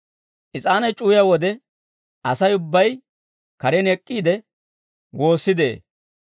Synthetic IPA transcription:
ʔɪt͡sʼaːnɐjt͡ʃʼuːjawɔd̪ɛ | ʔɐsɐjʊbːɐj | kɐɾɛnɛkʼːiːd̪ɛ | wo̞ːsːɪd̪ḛː

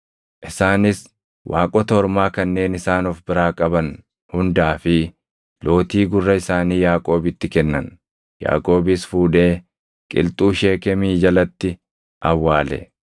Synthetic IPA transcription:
ʔɪsaːnɪs | wʔaːkʼɔt̪ɐɔɾmaːkɐnːe̞ːnɪsaːnɔfbɪɾaːkʼɐbɐn | hʊnd̪aːfɪ | lo̞ːt̪iːɡʊrːɐɪsaːniːjaːkʼo̞ːbɪt̪ːɪkɛnːɐn | ja̰ːkʼo̞ːbɪsfuːᶑe̞ː | kʼɪ̰lt̪ʼuːʃe̞ːkɛmiːd͡ʒɐlɐt̪ːɪ | ʔɐwːaːlɛ̰

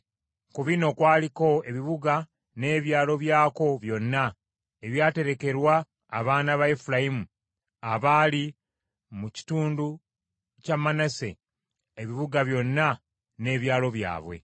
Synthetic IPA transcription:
kuβino̞kwaːliko̞e̞βiβuɡa | ne̞ːβjaːlo̞βjaːko̞βjo̞nːa | eβjaːte̞ɾe̞ke̞ɾwaː | βaːnaβaefulaimu | aβaːli | muci̥tuːndu | camːanase̞̰ | eβiβuɡaβjo̞nːa | ne̞ːβjaːlo̞βja̰ːβwe̞̰

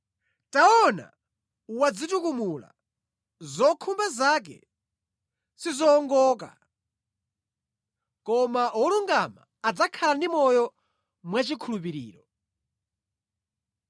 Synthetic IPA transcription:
taɔna̰ | uwad͡zitukumula̰ | zɔkʰumbazak̬ɛ̰ | sizɔːŋɡɔːk̬a̰ | kɔmaɔluŋɡama̰ːd͡zakʰalandimɔjɔ | mwat͡ʃikʰulup̬iɾḭːɾɔ

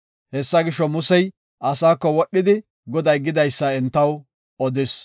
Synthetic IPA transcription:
hɛsːɐɡɪʃːɔmʊsɛj | ɐsaːkːɔwɔɗːɪd̪ɪ | ɡɔd̪ɐjɡɪd̪ɐjsːɐɛnt̪ːɐw | ɔd̪ɪs

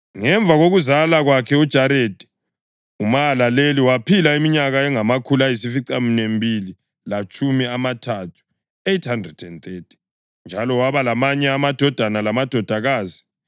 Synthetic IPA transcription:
ŋɛɱvʱaɣoɣuzalaɣwakʰɛud̥ʒ̥ʱaɾedʱʼi̥ | umaːlaleliwapʰilaimiɲaɣaɛŋamakʰulajis̬ifiǀaminembʱili | lat͡ʃʼʰumiamatʰatʰu̥ | ejtʰhandrɛd̥ɛnt̪ʰetʰi̥ | nd͡ʒʱalɔwaβalamaɲɛamad̥ʱɔd̥ʱanalamad̥ʱɔd̥ʱaɣaːzi̥

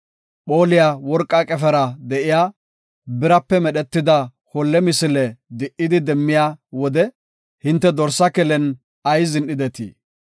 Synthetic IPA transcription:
po̞ːlɪjawɔɾkʼːɐkʼɛfɛɾɐd̪ɛʔɪjaː | bɪɾɐpːɛmɛɗɛt̪ːɪd̪ɐ | hɔlːɛmɪsɪlɛd̪ɪʔːɪd̪ɪd̪ɛmːɪjaːwɔd̪ɛ | hɪnt̪ːɛd̪ɔɾsːɐkɛlɛn | ɐjzɪnɗɪd̪ɛt̪ḭː

